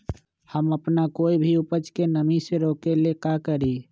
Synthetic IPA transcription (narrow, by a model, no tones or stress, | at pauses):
həməpnakoːibʱiʊpət͡ʃkenəmiseɾoːkelekakəɾiː